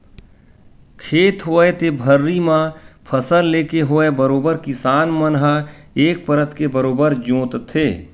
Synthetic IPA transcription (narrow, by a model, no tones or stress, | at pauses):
kʰeːt̪ɦoːet̪ebʱəɾːimãpʰəsəlleːkeɦoebəɾoːbəɾkɪsaːnmənɦə | eːk̚pəɾət̪kebəɾoːbəɾd͡ʒõːt̪t̪ʰeː